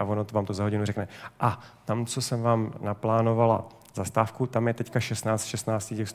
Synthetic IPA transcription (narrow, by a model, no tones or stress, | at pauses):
avonot̪vaːmt̪ozaɦoɪnurɛknɛʔat̪amt͡so̞sɛmvaːmnaplaːno̞vala̰ | zast̪aːfkut̪amjɛt̪ɛckaʃɛst̪naːt͡st̪ʃɛst̪naːt͡st̪ɪcɛxs